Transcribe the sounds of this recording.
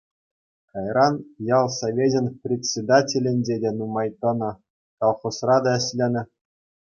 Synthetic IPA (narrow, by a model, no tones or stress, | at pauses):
kɑjrɑnjɑlˠsoʋʲedʲɘ̆nʲprʲet͡sʲed̪atʲelʲɘ̆nʲd͡ʑʲedʲenumɑjt̪ɤ̆nɤ̆ | kɑlˠχosrɑd̪ɑɘ̆ɕʲlʲenʲɘ̆